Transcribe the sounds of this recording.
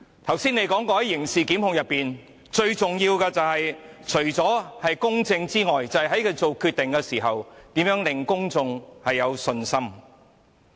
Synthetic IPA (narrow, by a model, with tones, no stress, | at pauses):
t̪ʰɐ˨˩wsiː˥ne˨˧˥jkɔː˨˥ŋkɔː˧hɐ˨˥jːɪ˨˩ŋsiː˨kiː˨˥mhʊ˨˧ŋjɐ˨pːiː˨n | t͡ʃɵ˧ɥt͡sʊ˨ŋjiː˧wkɛː˧t͡sɐ˨whɐ˨jt͡ʃʰɵ˨˩ɥt͡sɔː˨˥hɐ˨jkʊ˥ŋt͡sɪ˧ŋt͡siː˥ŋɔː˨jt͡sɐ˨whɐ˨jɦɐ˨˥jkɛ˨˧t͡so˨wkʰyː˧t̪ːɪ˨ŋkɛː˧siː˨˩ɦɐ˨wt̪iː˨˥mjœː˨˥ŋlɪ˨ŋkʊ˥ŋt͡sʊ˨˧ŋhɐ˨jːɐ˨˧wsɵ˧nsɐ˥m